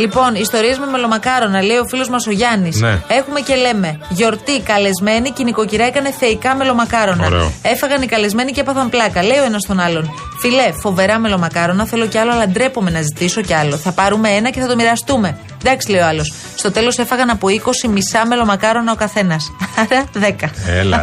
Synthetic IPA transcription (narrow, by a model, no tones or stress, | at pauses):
lipo̞niːst̪o̞ɾiezmeme̞lo̞mɐkɐɾo̞nɐle̞io̞filo̞zmɐso̞ʝɐnise̞xume̞ce̞le̞me̞ʝo̞ɾt̪ikɐle̞zme̞niciniko̞ciɾɐekɐne̞θe̞ikɐme̞lo̞mɐkɐɾo̞nɐ̰ɾ̰e̞fɐɣɐnikɐle̞zme̞nicepɐθɐmplɐkɐleio̞enɐst̪o̞nɐlo̞n | file̞fo̞ve̞ɾɐme̞lo̞mɐkɐɾo̞nɐθe̞loceɐloɐlɐnd̪ɾe̞po̞me̞nɐzit̪iso̞ceɐlo̞θɐpɐɾume̞enɐce̞θɐt̪o̞miɾɐst̪ume̞ | nd̪ɐksile̞joɐlo̞s | st̪o̞t̪e̞lo̞se̞fɐɣɐnɐpoiko̞simisɐme̞lo̞mɐkɐɾo̞nɐokɐθe̞nɐsɐɾɐðe̞kɐel